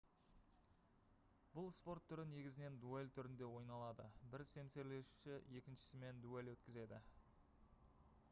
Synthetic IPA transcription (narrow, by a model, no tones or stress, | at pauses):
bʊlˠspo̞ɾt̪ʰːʏɾɪne̞ɡʲɪzɪne̞nd̪uelʲt̪ʰʏɾɪnd̪e̞wo̞jnɑlˠɑd̪əbɪɾse̞mse̞ɾle̞ʃu̥ʃɪje̞kʲɪnʃɪ̥sɪme̞nd̪ue̞lʲwɵt̪kʲɪze̞d̪ɪ